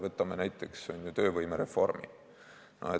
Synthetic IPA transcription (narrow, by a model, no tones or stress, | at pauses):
vɤt̪ːˑɑmenæjt̪ˑːe̞kso̞njut̪ø̞ːvɤjmeɾe̞fo̞̰rmḭ | nɑ̰e